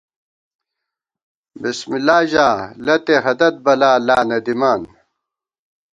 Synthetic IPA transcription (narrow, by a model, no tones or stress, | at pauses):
bismilːaːʑaːlɐt̪eɦɐd̪ɐt̪̚bɐlaːlaːnɐd̪imaːn